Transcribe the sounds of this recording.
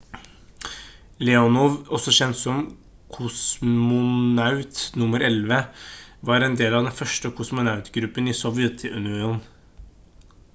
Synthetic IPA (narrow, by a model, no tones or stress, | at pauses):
lɛɔnuːʋɔsɔɕɛnt̪sɔm | kʰʊsmʊnɑʉt̪nʊməɾɛlʋəʋɑɾɛnd̪eːlɑd̪ɛnfœʂʈəkʰʊsmʊnɑʉt̪ɡɾʉpːənɪsɔʋjɛt̪ʰːɪʉnɪuːn